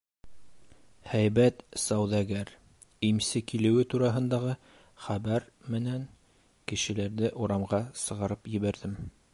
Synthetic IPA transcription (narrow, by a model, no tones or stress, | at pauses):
hæjβæt̪sɑwðæɡæɾ | imsɘkilɘ̆wɘt̪uɾɑɦɤ̆nd̪ɑʁɤ | χæβæɾ | mɘ̆næŋ | kɘ̆ʃɘ̆læɾðɘʔuɾɑmʁɑsɤ̆ʁɑɾɤpjɘ̆βæɾðɘm